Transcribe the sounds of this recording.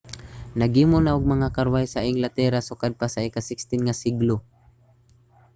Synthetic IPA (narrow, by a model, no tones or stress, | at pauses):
naɡimʊnaʔʊɡ̚maŋakaɾwajsaʔɪŋɡlat̪ɛɾasʊkad̪̚pasaikasɪkst̪ɪnŋasɪɡlo